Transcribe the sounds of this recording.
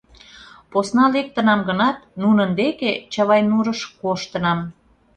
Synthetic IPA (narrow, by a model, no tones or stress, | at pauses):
posnɑlek̚t̪ə̆nɑmɡənɑt̪nunənd̪eket͡ɕəβɑjnuɾəʃkoʃt̪ə̆nɑm